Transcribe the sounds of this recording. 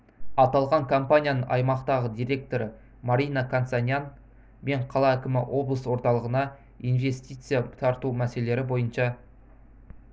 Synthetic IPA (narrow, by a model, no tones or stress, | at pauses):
ɑt̪ɑlˠʁɑŋkʰo̞mpanʲijanəɴɑ̰jmɑqt̪ɑʁəd̪iɾʲe̞k̚t̪o̞ɾə | maɾʲijnakʰansanʲjan | me̞ɴqʰɑlˠɑækʲɪmɪwo̞blˠəswo̞ɾt̪ɑlˠəʁənɑ | ijnve̞st̪ijt̪sɨjat̪ʰɑɾt̪umæse̞le̞ɾɪbo̞jənʃɑ